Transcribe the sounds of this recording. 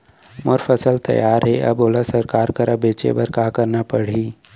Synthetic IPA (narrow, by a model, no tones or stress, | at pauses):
moːɾfʰəsəlt̪ɐ̰jaːɾɦɛʔɐ̰boːlasəɾkaːɾkəɾɐbeːt͡ʃḛbəɾkaːkəɾnapəɽ̤iː